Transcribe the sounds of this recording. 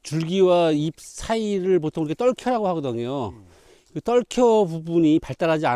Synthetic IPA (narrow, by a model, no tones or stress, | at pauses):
t͡ɕuɭɡiwaip̚sʰaiɾɯɭp̬otʰoŋɯɾkʰet͈ʌɭkʰjʌɾaɡohaɡʌdʌŋejo | kɯt͈ʌɭkʰjʌbubuɲipaɭt͈aɾad͡ʑia